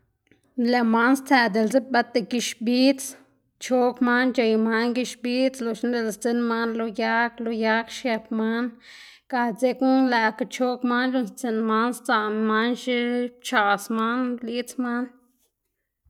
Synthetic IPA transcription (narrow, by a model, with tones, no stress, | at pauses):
le˨ma˦nst͡sæ˧˨d̪e˨lt͡se˦ba˧t̪e˨ki˧ʃbi˦t͡s | t͡ʃo˦kma˦nt͡ʃe˧˨jma˦nɡi˧ʃbi˦t͡slo˨ʃn˦d̪e˧˨lst͡se˧nma˦nlo˧ja˦klo˧ja˦kʃje˧pma˦n | ka˧t͡se˧ku˦la˨ka˧t͡ʃo˦kma˦nlo˧˦nst͡se˧nma˦nst͡sa˧˨ma˦nʃi˦t͡ʃa˧˨sma˦nli˦t͡sma˦n